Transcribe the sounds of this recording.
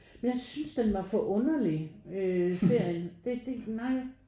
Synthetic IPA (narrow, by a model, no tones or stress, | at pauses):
menjɑ̈ɪsynsd̥enʋɑ̈fɒʔɔ̽nɐliøse̝ɐ̰jəd̥e̝d̥e̝naɪ